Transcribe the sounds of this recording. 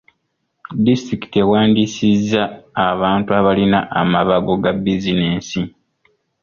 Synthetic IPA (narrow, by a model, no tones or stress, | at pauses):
distɾiki̥te̞waːndisizːaːβaːntuaβalinaʔamaβaɡo̞ɡabizineːnsi